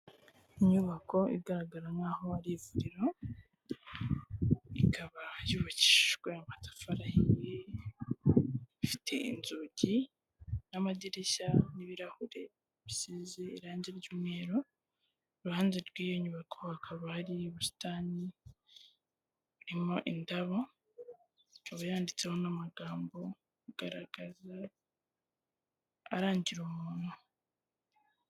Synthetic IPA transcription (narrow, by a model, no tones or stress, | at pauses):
iɲuβako̞ḭɡaɾaɡaɾaŋaːho̞aɾivuɾiɾo̞ | ḭkʰaβajuβaci̥ʒɡweamatḁfaɾahije | ifi̥tʰe̞ḭnzuɟi | namadiɾeɕaniβiɾahuɾe̞ | βisizeiɾaːɲzeɾɟumŋeːɾo̞ | ɾuhaːnzeɾɡwiːjo̞ɲuβakʰohakʰaβahaɾiβusi̥taːni | uɾimo̞ʔindaβo | oβajaːndit͡se̞ho̞namaɡaːmbo̞ | uɡ̥aɾaɡ̥aza | ɾaːɲɟiɾumuːn̥u